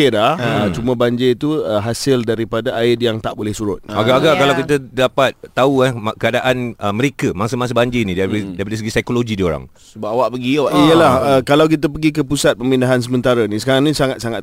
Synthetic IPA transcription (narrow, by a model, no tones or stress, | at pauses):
ɪdaət͡ʃumə̃baɲd͡ʒɪit̪uəɦasɪldaɾipadaʔaɪdjaŋt̪aʔbolɛhsuɾʊt̪̚aɡaʔaɡaʔkalawkit̪ədapat̪̚ːauahkəadaʔanəməɾekəmãsəmasəbaɲd͡ʒɪnĩdadaipadəsəɡisajkoloɡidio̰ɾa̰ŋ | səbap̚awaʔpəɡiawaʔijəlahəkalawk̬it̪̬ap̬əɡikəpusat̪̚pəmindaɦans̬əmənt̪aɾanĩsəkaɾaŋnĩsaŋat̪saŋat̪